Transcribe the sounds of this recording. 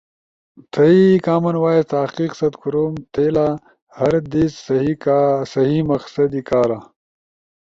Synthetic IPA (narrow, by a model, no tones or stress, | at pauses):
t̪ʰɐikaːmɐnwaːest̪aːqiːqsɐd̪kuɾoːmt̪ʰeːlaː | hɐɾd̪iːsisɐɦimɐqsɐd̪ikaːɾaː